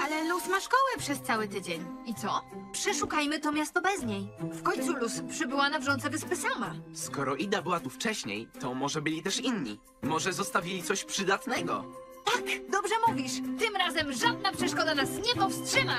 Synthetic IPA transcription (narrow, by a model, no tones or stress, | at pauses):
alɛlusmaʂkɔwɛpʂɛst̪sawɘt̪ɘd͡ʑeɲit̪sɔpʂɛʂukajmɘt̪ɔmʲjast̪ɔbɛzɲejfkɔɲt̪suluspʂɘbɘwanavʐɔnt̪sɛvɛspɘsamaskɔɾɔʔid̪abɘwat̪uft͡ʂɛɕɲḛjt̪ɔmɔʐɛbɘlʲit̪ɛʂinɲḭ | mɔʐɛzɔst̪avʲilʲit̪sɔɕpʂɘd̪at̪nɛɡɔ̰ | t̪ad̪ɔbʐɛmuvʲiʂt̪ɘmɾazɛmʐad̪̚napʂɛʂkɔd̪anasɲɛpɔfstʂɘma